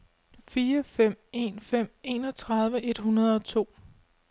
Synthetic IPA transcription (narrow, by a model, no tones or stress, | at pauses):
fiːɐfem̰e̝̰nfem̰e̝ːnɒ̽t͡sʰʁɑ̈ðˠʋəʔe̝d̥hunɐð̞ˠɒ̽t͡sʰo̝̰ː